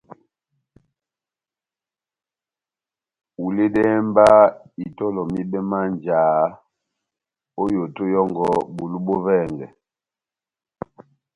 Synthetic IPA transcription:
u˨le˦dɛ˦mba˦i˨tɔ˦lɔ˨mi˦bɛ˦ma˦nd͡ʒaː˨˦ | o˦jo˨to˦jɔ˦ŋɡɔ˦bu˨lu˦bɔ˦vɛː˦˨ŋɡɛ̰˨

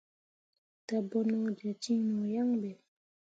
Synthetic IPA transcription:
t̪a˩˨bo˩˨no˥˨d͡ʑa˩˨t͡ɕi˥ŋno˩˨ja˥˨ŋbe˨

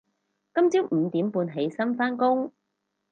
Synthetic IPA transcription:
kɐ˥mt͡siː˥wm̩˨˧t̪iː˨˥mpuː˧nɦe˨˥jsɐ˥nfaː˥nkʊ˥ŋ

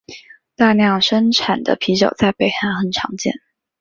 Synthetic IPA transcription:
t̪a˥˧njɑ˥˩ŋʂə˥nʈ͡ʂʰa˨˩nd̪ə̰˦pʰi˧˥ʂo˨˩ʊt͡sa˥˩ɪpe˨˩ɪxa˧˥nxə˨˩nʈ͡ʂʰɑ˧˥ŋt͡ɕjɛ̰˥˩n

